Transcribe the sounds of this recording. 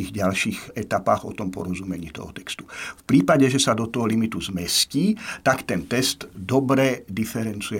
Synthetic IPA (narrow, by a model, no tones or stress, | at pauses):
iɣɟalʃiːxɛt̪apaːɣɔ̰t̪ɔmpɔ̰ɾɔzumɛɲiːt̪ɔ̰ɦɔ̰t̪ɛ̥kst̪u̥fpɾiːpaɟɛʒɛsad̪ɔt̪ɔɦɔlimit̪uzmɛsciːt̪akt̪ɛnt̪ɛst̪d̪ɔbɾɛd̪ifɛɾɛnt͡sujɛ